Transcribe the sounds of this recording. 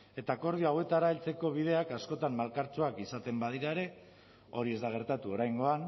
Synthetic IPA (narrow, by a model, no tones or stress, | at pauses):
e̞t̪ako̞ɾðioawe̞t̪aɾae̞lt͡se̞ko̞β̞ið̞e̞akasko̞t̪ammalkaɾt͡soakisat̪e̞mbaðiɾaeɾe̞ | o̞ɾie̞zd̪aɣ̞e̞ɾt̪at̪uo̞ɾajŋɡo̞an